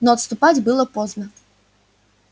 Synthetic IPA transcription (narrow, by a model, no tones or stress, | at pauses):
nɔɐt̪st̪ʊpad͡zʲbɨlˠɐpɔznɐ